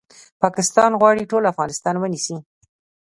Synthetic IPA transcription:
pɑkɪst̪ɑnɣwɑɽiʈolafɣɑnɪst̪ɑnwənisi

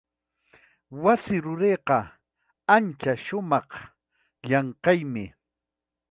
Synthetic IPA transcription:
wasɪɾʊɾeːqɑ | ant͡ʃaʃʊmɑχ | ʎɑɴqɑjmɪ

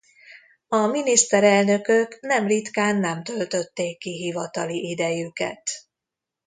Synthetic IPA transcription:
ɒminist̪ɛɾɛlnø̞køknɛmrit̪kaːnːɛmt̪ø̞lt̪ø̞t̪ːeːkːiɦivɒt̪ɒliʔid̪ɛjykɛ̰t̪

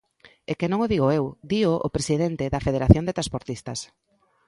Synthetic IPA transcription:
ekenõŋoðiɣoewd̪ioʔo̰pɾesiðent̪ɪðɐfeðeɾaθjond̪et̪ɾanspoɾt̪ist̪ɐs

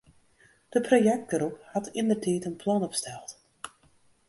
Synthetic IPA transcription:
d̥əprojɛk̚t̚ɡəɾɔphɑtʰɪndərtʰɛːtənpʰlɑnɔpstɛlˠt

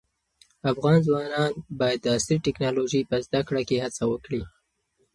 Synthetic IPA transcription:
afɣɑnzwɑnɑnbɑjad̪ːəːsɾiʈɪknɑloʒipəzd̪akɽakehat͡sawəkɽi

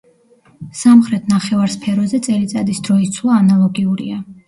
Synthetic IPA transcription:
samχɾɛt̪ʰnaχɛvaɾspʰɛɾɔzɛt̪sʼɛlit̪sʼad̪isd̪ɾɔist̪sʰlˠaːnalˠɔɡiuɾḭa

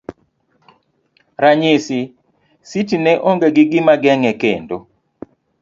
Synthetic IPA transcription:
ɾaɲɪsɪ | sitinɛʔoŋɡeɡɪɡɪmaɡɛŋɛkendo

